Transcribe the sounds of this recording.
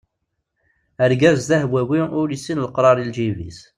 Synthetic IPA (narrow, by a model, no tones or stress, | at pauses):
əɾɡæzðæhbwæwiʊɾisːinləqɾˤɑɾˤild͡ʒivḭs